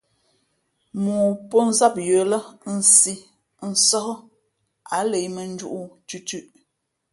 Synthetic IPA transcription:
muː˨pɔ˦n̩˦za˦˨p̚jə˨˦lə˦n̩˨si˦ | n̩˨sɔ˦hɔ˦ | a˨˦le˨jmə˨n̩˦d͡ʒu˦ʔu˦t͡ʃʉ˦t͡ʃʉ˦ʔ

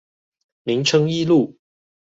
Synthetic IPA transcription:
mi˨˦ŋʈ͡ʂʰɤ˥ŋi˥˧lu˥˨

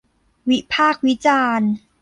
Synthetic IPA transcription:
wi˦˥pʰaː˥˩k̚wi˦˥t͡ɕaː˧n

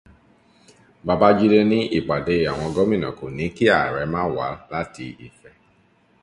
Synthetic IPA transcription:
ba˧ba˦d͡ʒi˦le˦nĩ˦ʔi˦˨ɡ͡ba˨de˧˨a˨w̃ɔ̃˧ɡɔ˦mĩ˦˨nã̰˨ko˨nĩ˨˦ki˦a˦˨ɾɛ˨˦mãː˦wa̰˨˦la˦ti˧ḭ˨fɛ˧˦

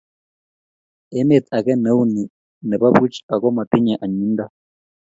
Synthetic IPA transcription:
ɛ˦me˦˨t̪a˨kɛ˦ne˦u˦ni˨ | nɛ˨βa˦βu˦t͡ʃa˨kɔ˦ma˨ti˦ɲa˨ʔa˨ɲu˦nda˦

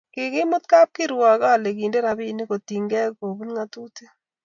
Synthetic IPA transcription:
kɪ˨kɪ˦mʊ˦t̪̚ka˦p̚kɪ˦ɾwa˨ka˦˨le˨ki˨nde˦ɾa˨bi˦˨ni˦ko˨t̪i˨ŋɡɛ˦ko˨bu˦nŋa˦t̪u˦t̪e˦

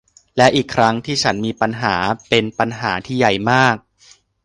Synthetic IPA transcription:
lɛ˦˥ʔiː˨˩kʰɾa˦˥ŋt̪ʰiː˥˩t͡ɕʰa˦˥nmiː˧pa˧nɦaː˩˦pe˧npa˧nɦaː˩˦t̪ʰiː˥˩ja˨˩jmaː˥˩k̚

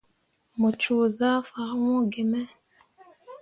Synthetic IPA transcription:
mo˨t͡ʃu˨ða˦fa˨˦wɔ̃˦ɡɪ˨mɛ˦

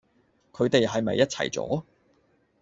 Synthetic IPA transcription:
kʰɵ˨˧ɥt̪e˨jɦɐ˨jmɐ̰˨jːɐ˥t̚t͡sʰɐ̰˨˩jt͡sɔ̰ː˨˥

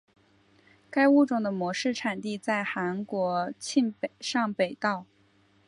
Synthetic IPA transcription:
ka˥ɪu˥ʈ͡ʂʊ˨˩ŋd̪ə˦mwɔ˧˥ʂɻ̩˥˩ʈ͡ʂʰa˨˩nt̪i˥˧t͡sa˥˩ɪxa˧˥nkwɔ˧˥t͡ɕʰi˥˧npe˨˩ʂɑ˥˩ŋpe˨˩ɪt̪ɑ˥˩ʊ

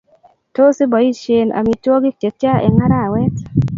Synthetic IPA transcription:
to˦si˦bɔ˨i˦ʃe˨na̰˨mi˨twɔ˦ɡɪ˦te˨tja˦ḛ˨ŋa˦ɾa˦˨wɛ˦t

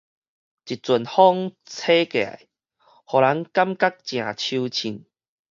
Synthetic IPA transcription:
t͡ɕi˨t̚t͡su˨˩nhɔ˦ŋ | t͡sʰe˦ke˨a̰˨˩˨j | hɔ˨la˨˦ŋka˦mka˦k̚t͡ɕj̃ã˨t͡ɕʰu˧t͡ɕʰi˨˩n

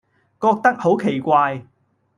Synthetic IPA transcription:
kɔː˧k̚t̪ɐ˥k̚ho˨˥wkʰe˨˩jkʷaː˧j

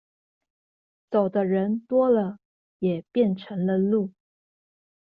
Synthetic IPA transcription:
t͡so˨˩ʊd̪ə˦ɻə˧˥nt̪wɔ˥lə˨ | jɛ˨˩pjɛ˥˩nʈ͡ʂʰə˧˥ŋlə˧lu˥˩

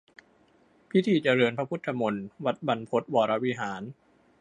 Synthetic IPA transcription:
pʰi˦˥t̪ʰiː˧˩t͡ɕa˧ɾɤː˧npʰa˧pʰu˦˥t̪ʰːa˧mo˧nwa˨˩t̪̚ba˧npʰo˦˥t̪̚wɔː˧˩ɾa˧wi˧˥ɦaː˩˦n

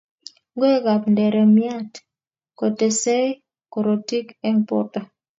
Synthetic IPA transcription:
ŋɡo˦e˦ɡa˨pndɛ˨ɾɛ˨mja˦t | ko˨te˨se˦ | ko˨ɾo˨ti˦kɛ˦mpɔ̰˦ta˨

